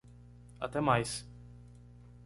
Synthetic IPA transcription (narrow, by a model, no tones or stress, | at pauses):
a̰t̪ɛmajs